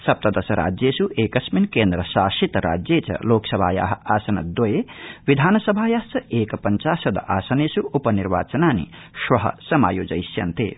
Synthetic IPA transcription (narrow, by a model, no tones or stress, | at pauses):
sɐp̚t̪ɐd̪ɐsɐɾa̰ːd͡zjesuʔeːkɐsminkeːnd̪ɾɐsaːʃit̪ɾa̰ːd͡zjet͡sʰɐ̰loːksɐbʱa̰ːja̰ɦaːsɐnɐ̰d̪ojeʋid̪ʱaːnɐsɐbʱaːjaːɦsɐʔeːkpɐnt͡saːsɐd̪ʔaːsɐneːsuupɐniɾʋa̰ːt͡sɐnaːnḭ | swɐɦɐ̰sɐma̰ːjoːd͡zɐjsjɐ̰nt̪ḛː